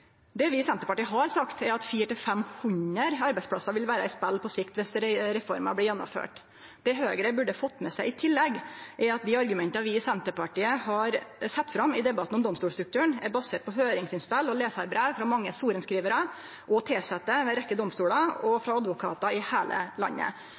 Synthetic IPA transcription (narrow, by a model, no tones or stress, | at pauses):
d̪ɛʋɪsɛnt̪əpɑʈiːəɦɑɾsɑkt̪ɛɾɑt̪fiːəʈɪlfɛmhʉɲəɾɑɾbɛɪspʰlɑsɑʋɪlʋæːɾəɪspɛlːpʰɔsɪkt̪ʋɛsɾɾɛfɔɾmɑ̰blɪjɛnːʊ̰mfø̰ːʈ | d̪̥ɛɦøːɡɾəbʉɖəfɔt̪ːmɛsæɪɪt̪ʰɪlːɛɡʔɛɾɑt̪̚d̪ɪɑɾɡʉmɛnt̪ɑʋɪːsɛnt̪əpɑʈiːəhɑɾsɛt̪ːfɾɑmːɪd̪ɛbɑt̪ːn̩ɔmd̪ɔmst̪uːlst̪ɾʉkt̪ʰʉːəɳɛɾbɑseːʈ̚pʰɔɦøːɾɪŋsɪnspɛlɔleːsɑɾbɾeːʋfɾɑmɑŋːəsuːɾənskɾiːʋəɾə | ʔɔt̪ʰeːsɛt̪ːəʋɛɾɛkːəd̪ɔmst̪uːlɑɔfɾɑɑd̪ʋʊkʰɑ̰ːt̪ɑɪhæːlə̰lɑ̰nːə̰